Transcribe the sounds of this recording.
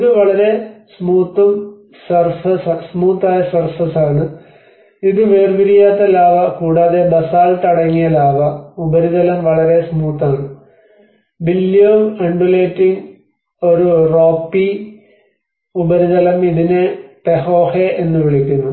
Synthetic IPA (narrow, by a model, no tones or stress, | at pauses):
iðɨʋɐɭɐɾe̞smuːt̪ːɐm | sɐrsɐsasmuːt̪ːaːjɐsɐrsɐsaːɳɨ | iðɨʋe̞ːrbiɾijaːt̪ːɐlaːʋɐkuːɽaːðe̞bɐsaːlt̪ɐɽɐŋːijɐlaːʋɐubɐɾiðɐlɐmʋɐɭɐɾe̞smuːt̪ːaːɳɨ | bilːjoːmeɳɖuleːtːiŋ | o̞ɾuroːpːi | ubɐɾiðɐlɐmiðinepeɦoːheʔenːɨʋiɭikʲːunːu